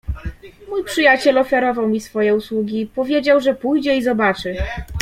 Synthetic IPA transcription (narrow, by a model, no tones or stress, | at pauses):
mujpʂɘjat͡ɕɛlɔfʲjaɾɔvawmʲisfɔjɛuswuɡʲipɔvʲjed͡ʑawʐɛpujd͡ʑɛizɔbat͡ʂɘ